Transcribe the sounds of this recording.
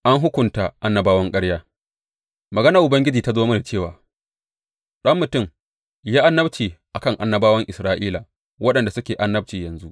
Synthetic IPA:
ʔa˦ŋɦʊ˦kʷʊ˨nta˨ʔa˦nːɐ˨baː˦wɐ˦ŋkʼɐ˦ɽjaː˦ | mɐ˨ɡɐ˦na˨ʔʊ˨bɐ˦ŋɡʲɪ˦d͡ʒiː˨ta˦zoː˦mɐ˦na˨t͡ʃeː˦˨waː˨ | ɗɐ˦mːʊ˨tʊ˦˨m | jaː˦ʔa˦nːɐ˦bt͡ʃiː˨ʔa˨kɐ˦ŋʔa˨nːɐ˦baː˦wɐ˦ŋʔɪ˨sɾaː˦ʔiː˦la˨ | wɐ˦ɗɐ˨nda˨sʊ˦kʲeː˨ʔa˦nːɐ˦b̚t͡ʃiː˨jɐ˨nzu˦ʔ

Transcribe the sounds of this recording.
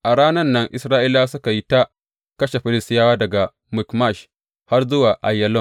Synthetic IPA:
ʔa˨ɽaː˦nɐ˦nːɐ˦ŋʔɪ˨sɾaː˦ʔi˦laː˦sʊ˦ka˨ji˦ta˦ | kɐ˦ʃe˨ɸɪ˦lɪ˦stɪ˦jaː˦waː˦dɐ˨ɡa˨ | mʊ˨kma˦˨ʃ | ha˦rzʊ˦waː˨ʔa˨jːɐ˦lɔ˦˨m

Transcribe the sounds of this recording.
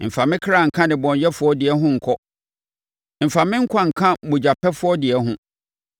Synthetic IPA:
m̩˨fa˨mɪ̃˦kʰɾa˦˨ŋ̩˨kʰã˦dɪ̃˨bɔ̃˨n˨jɛ˦fʊ˦ɔ˦dɪ˨ɛ˦ɦʊ̃˦ŋ̩˨kʰɔ˦ | m̩˨fa˨mɪ̃˦ŋ̩˦kʷʰã˦ŋ̩˨kʰã˦bʊ̃˨d͡ʑa˨pʰɛ˦fʊ˦ɔ˦dɪ˨ɛ˨˦ɦʊ̃˦

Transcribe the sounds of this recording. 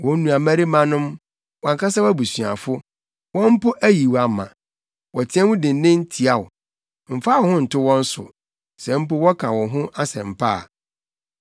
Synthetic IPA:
wɔ̃˦n˦nũ˨a˨mæ̃˦ɾi˦mã˦nʊ̃˦m | wɔ̃˨ŋ˨ka˦sa˦wæ˦bu˨sɥ̃a̰˨fʊ˦ | wɔ̃˦m̩˦pʊ˦ʔæ˦ji˨wa˨mã̰˨ | wɔ˨tʰɪ˦ɛ̃˦wʊ̃˦dɪ̃˨n˦nɪ̃˦n̩˦tʰi˨a˨ʊ̰˨ | m̩˨fa˦wɔ˨hʊ̃˦n̩˨tʰʊ˦wɔ̃˦n̩˦sʊ̰˨ | sɛ˨m̩˦pʊ˦wɔ˦kʰã˨wɔ̃˨ɦʊ̃˦ʔa˦sɛ̰̃˨m̩˨pʰaː˦˨

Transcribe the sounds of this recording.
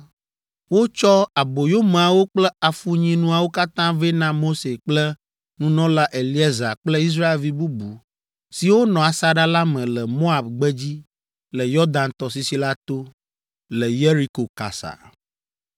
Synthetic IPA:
wo˦t͡ʃɔ˦a˨bo˨jo˦m̃˨a˨wo˦k͡plɛ˦a˨fu˦ɲĩ˦nũ˦a˨wo˦ka˦t̪ã˦ve˦nã˦mo˦se˨k͡plɛ˦ | nũ˦nɔ̃˦la˦ʔe˨li˦ɛ˦za˨k͡plɛ˦i˦s̬ɾa˦e˨lvi˦bu˦bu˨ | si˨wo˦nɔ̃˨a˨sa˦ɖa˦la˦mɛ̃˨lɛ˨mo˦a˨bɡ͡bɛ˦d͡ʑi˦ | lɛ˨jɔ˦d̪ã˨nt̪ɔ˨si˨si˦la˦t̪o˦ | lɛ˨je˦ɾi˦ko˨ka̰˨sa̰˨

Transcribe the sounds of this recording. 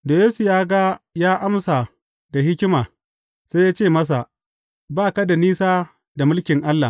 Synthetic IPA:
da˨jeː˦su˨jaː˦ɡa˦jaː˦ʔa˦msa˨ | da˨ɦɪ˦kʲɪ˦maː˨ | se˦jaː˦t͡ʃeː˦˨mɐ˦s̬a˨ | baː˦˨ka˦da˨niː˦saː˦ | da˨mʊ˦lkʲɪ˨ŋʔa˦lːa̰˨

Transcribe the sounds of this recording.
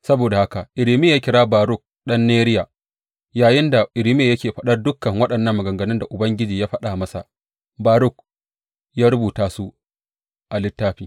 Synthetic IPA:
sɐ˦boː˨da˨ha˦ka˨ʔɪ˨ɾɪ˨mɪ˦jaː˦kʲɪ˦ɾaː˦baː˨ɾʊ˦˨k̚ɗɐ˦nːeː˦ɾɪ˦ja˨ | jaː˨jɪ˦nda˨ʔɪ˨ɾɪ˦mɪ˦je˨jɐ˦kʲeː˨ɸɐ˦ɗɐ˦rdʊ˦kːɐ˨ŋwɐ˦ɗɐ˨nːɐ˦mːɐ˨ɡɐ˨ŋɡɐ˨nɪ˦nda˨ʔʊ˨bɐ˦ŋɡʲɪ˦d͡ʒiː˨jaː˦ɸɐ˦ɗa˨mɐ˦sa˨ | baː˨ɾʊ˦k̚ | jaː˦ɾʊ˦buː˨taː˦su˦ | ʔa˨lɪ˦tːaː˦ɸiː˨

